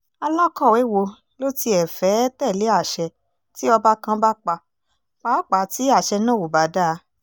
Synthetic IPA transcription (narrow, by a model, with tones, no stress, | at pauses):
a˧lã˦kɔ˦˨we˨˦wo˧ | lo˦ti˧ɛ˨fɛ˨˦tɛ˦˨le˨˦a˦˨ʃɛ˧ | ti˦ɔ˧ba˦kã˧˦ba˦k͡pa˧ | k͡pa˨˦k͡pa˨˦˨ti˨˦a˦˨ʃɛ˧nã˦˨o˨ba˨˦da˦˨˦